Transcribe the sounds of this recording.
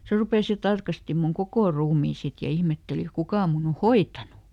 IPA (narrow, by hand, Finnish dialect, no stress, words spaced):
se rupeˑs jɑ tɑrkɑsti mun kokoˑ ruːmiː sit jɑ ihmetːeli kukɑ mun o hoitˑɑnu